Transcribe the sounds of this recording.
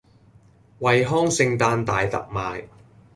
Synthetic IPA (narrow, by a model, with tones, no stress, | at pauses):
wɐ˨jɦɔː˥ŋsɪ˧ŋt̪aː˧nt̪a̰ː˨jt̪ɐ̰˨k̚maː˨j